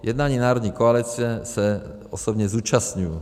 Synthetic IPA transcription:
jɛd̪naːɲiːnaːɾɔd̪ɲɛkɔalit͡siɛsɛ | ɔsɔbɲɛzuːt͡ʃastɲuju

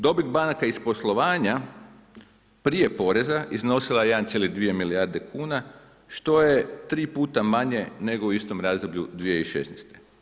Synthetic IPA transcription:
d̪o̞biɡbanakaispo̞slˠo̞ʋaːɲa | pɾije̞po̞ɾe̞zaʔizno̞silˠajejed̪ant̪sjelid̪ʋije̞miliaɾd̪e̞kʰuːna | ʃt̪o̞je̞t̪ɾiːpuːt̪amaɲe̞ne̞ɡo̞uist̪o̞mɾaːzd̪obʎud̪ʋijeiʃe̞̰snest̪e

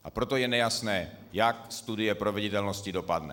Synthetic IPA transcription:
ʔapɾo̞t̪o̞jɛnɛjasnɛː | jak̚st̪udɪjɛpɾovɪɟɪt̪ɛlnoscɪdo̞padnɛ̰

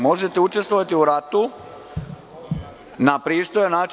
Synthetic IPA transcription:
mo̞ʒet̪eut͡ʃe̞st̪ʋoʋat̪iuɾat̪u | napɾiːst̪ojanaːt͡ʃ

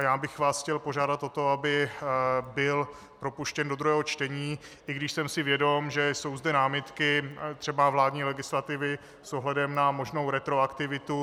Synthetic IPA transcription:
jaːbɪxvaːsxcɛlpoʒaːdat̪o̞t̪o̞abɪ | bɪl | pɾo̞puʃcɛndod̪ɾuɦɛːɦot͡ʃt̪ɛɲiː | ʔɪɡdɪʃsɛmsɪvjɛdo̞mʒɛso̞wzdɛnaːmɪt̪kɪt̪r̥ɛbavlaːdɲiːlɛɡɪslat̪ɪvɪ | soɦlɛdɛmnamo̞ʒnowɾɛt̪ɾoakt̪ɪvɪt̪u

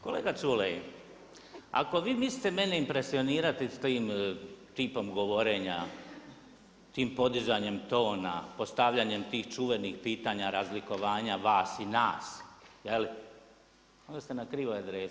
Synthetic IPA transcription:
ko̞leːɡat͡ʃulei | a̰ko̞ʋiːmist̪eme̞ne̞impɾe̞sio̞niːɾat̪it̪iːmt̪iːpo̞mɡo̞ʋo̞ɾe̞ːɲa | t̪iːmpo̞d̪izaːɲe̞mt̪o̞ːna̰po̞st̪aʋʎaɲe̞mt̪iːxt͡ʃuʋe̞nixpiːt̪aɲaɾazliko̞ʋaːɲaʋaːsinaːsjeli | ond̪ost̪enakɾiʋojad̪ɾeː

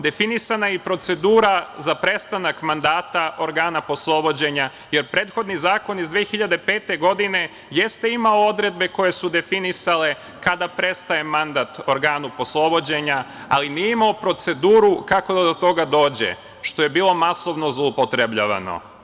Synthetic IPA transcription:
d̪e̞finisanajipɾo̞t̪se̞d̪uːɾazapɾe̞st̪anakmand̪aːt̪aʔo̞ɾɡaːnapo̞slˠo̞bo̞d͡ʑe̞ɲa | je̞ɾpɾeːt̪xo̞d̪nizaːko̞nizd̪ʋeːxiʎad̪e̞peːt̪e̞ɡo̞d̪ine̞ | jest̪e̞imaoo̞d̪ɾe̞d̪̚be̞ko̞je̞sud̪e̞finisale̞ | kad̪apɾe̞st̪aje̞mand̪at̪o̞ɾɡaːnupo̞slˠo̞bod͡ʑe̞ɲaalinijeimaopɾo̞t̪se̞d̪uːɾukako̞d̪ad̪ot̪o̞ɡad̪o̞ːd͡ʑḛ | ʃt̪o̞je̞biːlˠo̞maso̞ʋno̞zlˠoupot̪ɾebʎa̰ʋa̰no̰

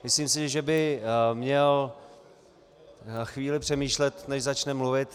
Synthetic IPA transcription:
mɪsliːmsɪʒɛbɪmɲɛl | xviːlɪpr̝̥ɛmiːʃlɛt̪nɛʃzat͡ʃnɛmluvɪt̪

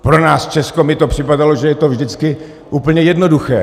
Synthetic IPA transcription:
pɾo̞naːst͡ʃɛskomɪt̪o̞pr̥ɪpadaloʒɛjɛt̪o̞vʒdɪt͡skɪ | ʔuːpl̩ɲɛjɛdno̞duxɛ̰ː

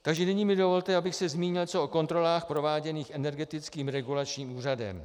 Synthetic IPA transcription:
t̪aɡʒɛnɪɲiːmɪdo̞vo̞lt̪ɛabɪxsɛzmiːɲɪlt͡soʔoko̞nt̪ɾo̞laːxpɾo̞vaːɟɛniːxʔɛnɛɾɡɛt̪ɪt͡skiːmɾɛɡulat͡ʃɲiːmuːradɛ̰m

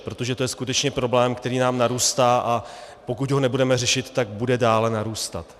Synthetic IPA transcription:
pɾo̞t̪o̞ʒɛt̪o̞jɛskut̪ɛt͡ʃɲɛpɾo̞blɛːmkt̪ɛɾiːnaːmnaɾuːst̪aːʔa | po̞kucɦo̞nɛbudɛmɛrɛʃɪt̪ːaɡ̚budɛdaːlɛnaɾuːst̪a̰t̪

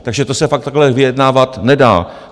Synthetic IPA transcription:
t̪aɡʒɛt̪osɛfak̚t̪aɡlɛvɪjɛdnaːvat̪nɛda̰ː

